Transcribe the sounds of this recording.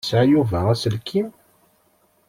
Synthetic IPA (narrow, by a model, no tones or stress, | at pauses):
sʕjuvææsəlkʰːim